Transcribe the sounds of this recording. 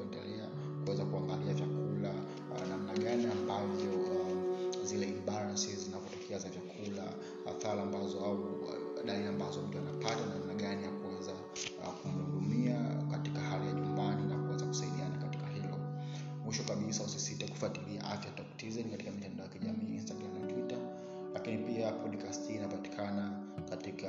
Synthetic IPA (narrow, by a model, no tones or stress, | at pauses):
ɛndɛlɛa | kuwɛzakuaŋɡaliavjakʰula | nam̩naɠaniambavjɔ | zilɛimbaɾasiszinavɔtɔkʰɛazavjakʰula̰ | a̰θaɾambazɔauɗaiɾambazɔm̩tuanapatanamnaɠanijakuwɛza | kumuɗumiakatikahalijaɲumbaninakuwɛzaku̥saiɗianakati̥kahilɔ̰ | mwiʃɔkaɓisausisitaku̥fatilia̰ʔafjatɔktizɛnikatikamitandaɔjakiʄamiːinstaɡɾamnatwita | lakinipiapɔɗikastʰiːnapati̥kʰana | katika